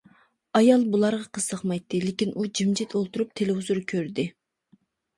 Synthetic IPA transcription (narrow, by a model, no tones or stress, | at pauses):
ɑjɑlˠbulˠɑɾʁɑqʰəsɑχmɑjt̪ːɨlɪkʲinʔud͡ʒimd͡ʒit̪ʰolˠt̪uɾup̚t̪ʰelɪhuzuɾkʲʰøɾd̪ɪ